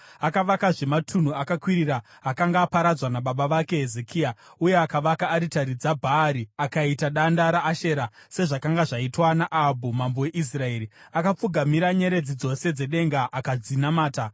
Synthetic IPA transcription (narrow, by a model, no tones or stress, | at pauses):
akaʋakaʐe̞matʰun̤uakakwiɾiɾaː | kaŋɡaːpaɾad͡zwanaɓaɓaʋake̞ɦezekʰiauje̞akaʋakaːɾitaɾid͡zabʱaɾiakaitaɗandaɾaʔːʃe̞ɾase̞ʐakaŋɡaʐaitwanaʔabʱumambowe̞ʔis̬rae̞ːɾiakap͡fuɡʱamiɾaɲe̞ɾe̞d͡zid͡zo̞se̞d͡ze̞ɗe̞ŋɡaʔakazd͡zinamaːta